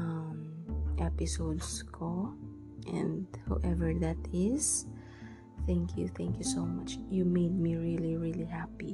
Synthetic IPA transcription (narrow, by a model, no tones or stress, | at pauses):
ʔamʔɛpɪsod̪skʰo | ʔɛ̰̃nd̪ha̰ʔɛvɛɹðat̪ɪs | θæ̃ŋkjṵθæ̃ŋkjusomʌt͡ʃjumejd̪̚miɹiliɹilihapi